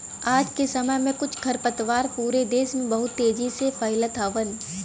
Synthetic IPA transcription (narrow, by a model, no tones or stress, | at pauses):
aːd͡ʒkesɐməjmẽkʊt͡ʃʰkʰɐɾpət̪ʋaːɾpuːɾed̪eːʃmẽbɐɦʊt̪ːeːd͡ʒisepʰɐɪlət̪aːʋən